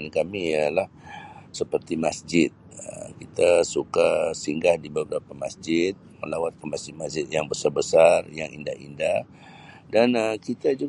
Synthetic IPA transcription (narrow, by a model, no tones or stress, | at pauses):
nkamijalahsəpərt̪imasd͡ʒɪt̪̚ə̰kit̪asukasiŋɡahdibəbəɾapamasd͡ʒɪt̪̚mə̰lawat̪̚kəmasd͡ʒɪt̪̚masd͡ʒɪt̪̚jaŋbəsarbəsarjaŋḭnda̰hḭndah | danəkit̪ad͡ʒu